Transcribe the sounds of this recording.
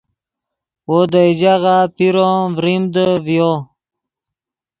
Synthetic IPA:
wod̪əid͡ʑaɣapiɾovɾimd̪əvjo

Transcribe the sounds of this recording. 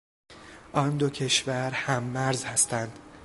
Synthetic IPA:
ʔɒnd̪ocʰe̞ʃvæɾhæmːæɾzhæst̪ænd̪̥

